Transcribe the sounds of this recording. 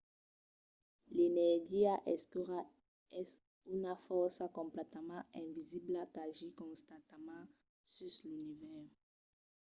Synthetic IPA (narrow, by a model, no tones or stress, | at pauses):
lenɛʁɡiaʔɛskyʁa | ɛs | ynafɔʁsakɔ̃mplɛt̪amãɛ̃viziblat̪aʒikɔ̃st̪at̪amã | syslynivɛʁ